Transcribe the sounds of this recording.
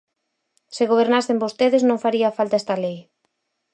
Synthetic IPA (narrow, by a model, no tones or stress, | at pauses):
seɣoβ̞eɾnasembost̪eðeznõŋfaɾiafalt̪aest̪alej